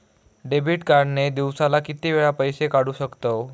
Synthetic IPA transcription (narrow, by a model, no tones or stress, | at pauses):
ɖebiʈkaɾɖned̪iwsalakit̪iʋeɭapəjsekaɽuːɕəkt̪o